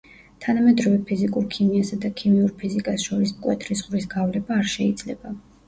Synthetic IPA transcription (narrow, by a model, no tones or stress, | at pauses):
t̪ʰanamɛd̪ɾɔvɛpʰizikʼuɾkʰimiasad̪akʰimiuɾpʰizikʼasʃɔɾismkʼwɛt̪ʰɾisʁvɾisɡavlɛbaːɾʃɛid̪zlɛba